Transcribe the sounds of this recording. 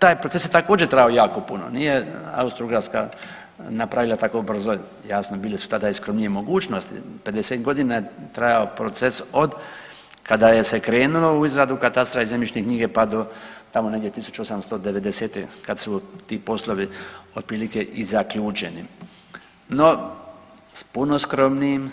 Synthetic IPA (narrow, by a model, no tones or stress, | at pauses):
t̪aːjpɾotsesjet̪akoːd͡ʒet̪ɾajao̞jaːko̞puno̰nijea̰ust̪ɾuɡɾaska̰ | napɾaʋilˠat̪ako̞br̩zo | jaːsnobiːlisu̥t̪ad̪aiskɾomnijemo̞ɡuːt͡ʃno̞st̪ḭpe̞d̪eset̪ɡo̞d̪inajet̪ɾajaopɾo̞t̪seso̞d̪ | kad̪aje̞se̞kɾe̞ːnulo̞uizɾad̪ukat̪ast̪ɾaizemit͡ʃnekɲiːɡe̞pad̪o̞t̪amo̞ne̞ɡd̪ʲjet̪isu̥t͡ʃuo̞samst̪o̞d̪e̞ʋe̞d̪eseːt̪ekad̪sut̪iːpo̞slˠo̞ʋio̞d̪̚pɾiːlike̞ʔizakʎuːt͡ʃe̞nḭ | no̞ | spunoskɾo̞mniːm